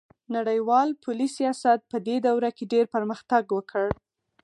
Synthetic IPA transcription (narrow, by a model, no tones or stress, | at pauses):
naɽəjwɑlpʰʊlisijɑsat̪̚pəd̪ed̪awɾakeɖeɾpəɾməxt̪aɡwəkʰəɽ